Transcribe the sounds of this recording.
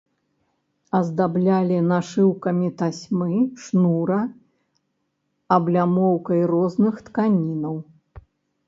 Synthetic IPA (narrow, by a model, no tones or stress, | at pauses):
ɐzd̪ablʲalʲinaʂɨwkɐmʲit̪asʲmɨʂnuɾɐ | ɐblʲamɔwkɐjrɔznɨxt̪kanʲinɐw